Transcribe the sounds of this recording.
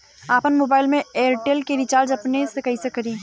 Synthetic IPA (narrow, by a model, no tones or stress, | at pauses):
aːpənmoːbaːɪlmẽeːɾʈeːlkeɾit͡ʃaːɾd͡ʒɐpnesekɐɦisekɐɾĩː